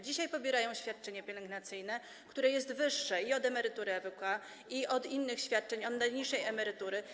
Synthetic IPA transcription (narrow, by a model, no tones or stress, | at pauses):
d͡ʑiɕajpɔbʲjɛɾajɔ̃w̃ɕfʲjat̪̚t͡ʂɛɲapʲjɛlɛŋɡnat̪sɘjnɛ | kt̪uɾɛjɛst̪vɘʂːɛiɔd̪ɛmɛɾɘt̪uɾɘɛvɛka | iʔɔd̪inːɘxɕfʲjat̪̚t͡ʂɛɲɔd̪ːaɲiʂːɛjɛmɛɾɘt̪uɾɘ